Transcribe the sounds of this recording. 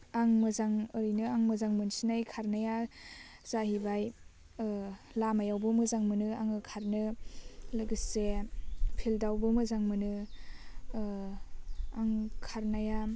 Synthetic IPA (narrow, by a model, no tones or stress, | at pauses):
aŋmɯzaŋɔɾinɯaŋmɯzaŋmɯnsinajkʰaɾnaja | z̥aɦibaj | lamajawbɯmɯzaŋmɯnɯaŋɯkʰaɾnɯlɯɡɯsepʰildawbɯmɯzaŋmɯnɯ | aŋkʰaɾnaja